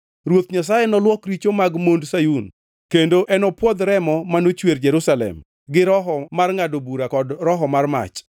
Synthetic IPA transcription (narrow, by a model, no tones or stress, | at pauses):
ɾwot̪ɲas̬ajɛnɔlwɔkɾit͡ʃomaɡmondsajun | kendoʔɛnɔpwɔd̪ɾɛmɔmanot͡ʃwerd͡ʒɛɾusalɛ̰m | ɡɪɾɔɦɔmarŋadobuɾakɔdɾɔɦɔmarma̰t͡ʃ